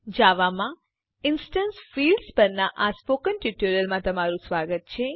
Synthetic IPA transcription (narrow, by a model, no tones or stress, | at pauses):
d͡ʒaʋamã | ɪnsʈənsfilɖspəɾnaʔaspokənʈuʈoɾjəlmãt̪əmaɾũsʋaɡət̪̚t͡ʃʰe